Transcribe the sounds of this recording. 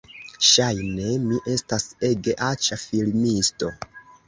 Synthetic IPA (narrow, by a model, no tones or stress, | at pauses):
ʃajne̞miʔe̞stase̞ɡe̞ʔat͡ʃafilmisto̞